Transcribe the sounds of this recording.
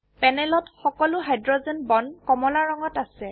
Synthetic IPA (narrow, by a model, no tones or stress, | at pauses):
pɛnɛlɔtxɔkɔlʊɦajdɹɔzɛnbɔnkɔmɔlaɹɔŋɔtasɛ